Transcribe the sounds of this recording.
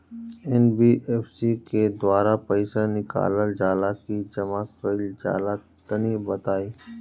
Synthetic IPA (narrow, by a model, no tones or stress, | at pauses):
ɛnbiːʔeːfsiked̪waːɾapəɪsanɪka̰ːləld͡ʒaːlakid͡ʒɐmakəld͡ʒa̰ːla | t̪ɐnibɐt̪aːiː